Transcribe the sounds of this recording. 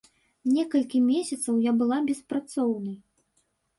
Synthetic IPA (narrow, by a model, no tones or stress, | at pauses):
nʲɛkɐlʲkʲimʲesʲɐt̪sɐwjabɨlˠabʲɛspɾat̪sɔwnɐj